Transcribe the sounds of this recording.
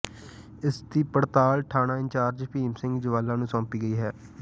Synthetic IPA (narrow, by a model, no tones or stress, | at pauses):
ɪsd̪iːpəɽt̪aːlʈʰaːɽãːɪ̃ɲt͡ʃaːɾd͡ʒpʰiːmsɪ̃ŋɡd͡ʒɪʋaːlãːnũːsɔ̃ːpiːɡəiːɦɛː